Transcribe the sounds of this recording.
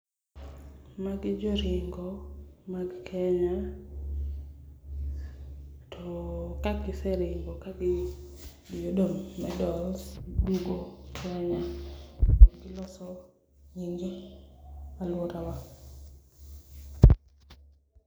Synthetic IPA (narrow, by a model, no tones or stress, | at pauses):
maɡɪd͡ʒoɾɪŋɡomaɡkʰɛɲa | tʰɔkaɡɪsɛɾɪŋɡɔkaɡɪ | jodomːɛdɔlsduɡokɛɲa | aɡɪlɔsɔ | ɲiŋɡe | alwoɾawa